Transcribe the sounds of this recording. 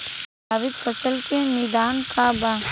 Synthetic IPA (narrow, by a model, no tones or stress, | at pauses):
aːʋɪd̪fəsəlkẽmiːd̪aːnkʰaːba